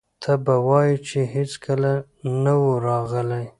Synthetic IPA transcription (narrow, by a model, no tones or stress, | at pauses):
t̪ʰabawɑjit͡ʃeɦet͡skʰəla | nawoɾɑɣəlaj